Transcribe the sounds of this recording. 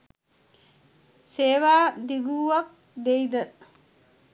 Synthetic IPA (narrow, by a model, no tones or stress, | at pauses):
seːʋad̪iɡuːwɐk̚ | d̪ejd̪ə